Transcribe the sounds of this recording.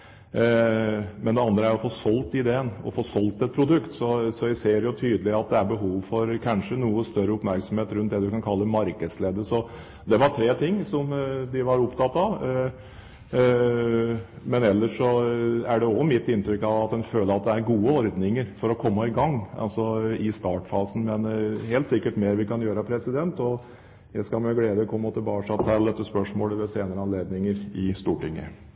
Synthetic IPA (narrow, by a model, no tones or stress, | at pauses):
mɛnd̪ɛɑnd̪ɾəæɾjʊfoːsɔlt̪ɪɪd̪eːənɔ̰foːsɔlt̪ɛt̪̚pʰɾʊd̪ʉkt̪sɔsɔjæseːɾjʊt̪ʰyːd̪əlɪɑt̪̚d̪ɛæɾbəɦuːʋfɔɾkʰɑnʂənuːəst̪œɾːəʊpmæɾksɔmheːt̪ɾʉnt̪d̪ɛd̪ʉkɑnkʰɑlːəmɑɾkəd̪sleːd̪əsɔ | d̪ɛʋɑʈʰɾeːt̪ʰɪŋːsɔmd̪ɪʋɑɾʊpt̪ʰɑt̪ːɑʋ | mɛnɛlːəʂɔæɖɛɔmɪt̪ːɪnt̪ɾʏkːɑʋɑt̪̚d̪ɛnføːləɾɑt̪̚d̪ɛæɾɡuːəɔɾd̪nɪŋəɾfɔɾɔkʰɔmːəɪɡɑŋːɑ̰lsɔɪst̪ɑːʈfɑːsn̩mɛnɦeːlt̪sɪkːəʈmeːɾʋɪkɑnjøːɾəpʰɾɛsɪd̪ɛnt̪ɔ | jæɪskɑlmɛɡleːd̪əkʰɔmːɔt̪ɪlbɑːkʂɑʋt̪ʰɑld̪ɛt̪ːəspœʂmoːləʋɛseːnəɾəɑnleːd̪nɪŋəɾɪst̪uːʈɪŋːə̰